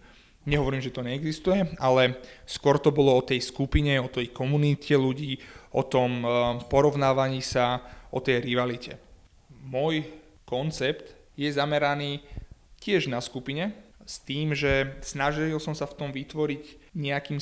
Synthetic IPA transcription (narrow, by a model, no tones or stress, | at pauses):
ɲɛɦɔʋɔɾiːmʒɛt̪ɔɲɛɛɡzist̪ujɛalɛskʊɔɾt̪ɔbɔlɔɔt̪ɛjskupiɲɛɔt̪ɛjkɔmunitcʰɛluɟiːʔɔt̪ɔmpɔɾɔʋnaːʋaɲiːsaɔt̪ɛjɾiʋalicʰɛ̰ | mɔj | kɔnt͡sɛpt̪ | jɛzamɛɾaniːcɪɛʒnaskupiɲɛst̪iːmʒɛsnaʒilsɔmsaft̪ɔmʋit̪ʋɔɾiɟɲɛakiːm